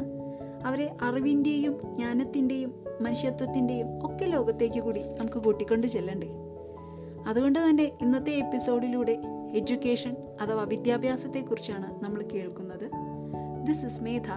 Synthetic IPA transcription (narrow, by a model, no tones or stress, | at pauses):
ɐʋɐɾe̞ʔɐriʋinde̞jumɲaːnɐt̪ːinde̞jumːɐnuʂjɐt̪wɐt̪ːinde̞jumo̞kːe̞lo̞ːɣɐt̪ːe̞ːk̬ʲːɨkuːɽinɐmukːɨkuʈːikʲːo̞ɳɖɨt͡ɕe̞lːɐɳɖɨ | ɐðuɣo̞ɳɖɨt̪ɐnːe̞ʔinːɐt̪ːe̞ːpːiso̞ːɽiluːɽe̞ed͡ʑukʲːe̞ːʂɐn | ɐt̪ɐʋaʋid̪jaːbʱjaːsɐt̪ːe̞kːurit͡ɕːaːɳɨnɐmːɐɭke̞ːɭkunːɐðɨ | d̪isɨsmeːt̪ʰa